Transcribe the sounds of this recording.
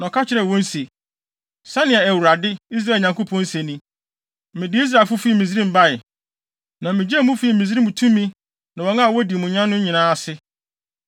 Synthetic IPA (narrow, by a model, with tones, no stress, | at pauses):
nɔ̃˨kʰa˦t͡ɕʰɪ˦ɾɛ˨wɔ̃˦n˦se˨ | sã˦nɪ̃˦ɛ˨æ˨wu˨ɾa˨dɪ˦i˦s̬ɾa˦˨ɲã˨ŋko˦pʰɔ̃˦n̩˦sẽ˨nĩ˦ | mɪ̃˨dɪ˦i˦s̬ɾa˨lfʊ˦fi˦˨mĩ˨z̬ɾĩ˦m̩˨ba˦ɪ˨ | nã˨mɪ̃˨d͡ʑɛ˦˨mũ˦fi˦i˨mĩ˨z̬i˦ɾi˦mũ˨tʰũ˦mːĩ˦ | nã˨wɔ̃˨˦ŋã˦˨wɔ˦di˨mũ˨ɲã˦nː˦ʊ̃˦ɲĩ˨nãː˦a˨sɪ˦